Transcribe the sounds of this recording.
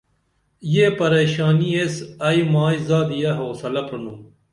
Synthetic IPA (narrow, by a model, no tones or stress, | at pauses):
jeːpɐɾeːɕaːniesɐimaːizaːd̪ijɐɦoːsɐlɐpɾɐnuː